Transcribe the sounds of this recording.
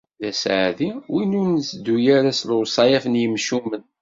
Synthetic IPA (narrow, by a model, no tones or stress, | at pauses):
ðæsʕaðiwinʊɾnsd̪ːujæɾæslwsˤɑjæfənjəmʃumən